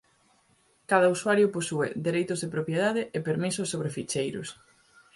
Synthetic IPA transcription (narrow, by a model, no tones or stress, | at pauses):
kaðɐuswaɾjʊposuḛd̪eɾejt̪ʊzðepɾopjeð̞aðɪepeɾmisʊsːoβɾefit͡ʃejɾʊ̰s